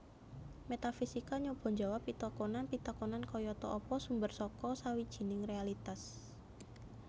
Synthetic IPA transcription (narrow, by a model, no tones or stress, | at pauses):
met̪afisikaɲob̥ɔ̤ɲd͡ʒawapːit̪ɔkɔnanpit̪ɔkɔnankɔjɔt̪ɔʔɔpɔsumbərsɔkɔsawid̥ʒ̥i̤nɪŋrealit̪as